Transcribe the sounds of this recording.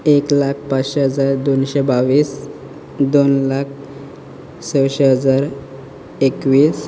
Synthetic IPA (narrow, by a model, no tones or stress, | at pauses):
eklakʰpat͡sɕeɦəd͡zaɾd̪onɕebaʋiːs | d̪onlak̚ʰ | səwɕeɦəd͡zaɾ | ekʋiːs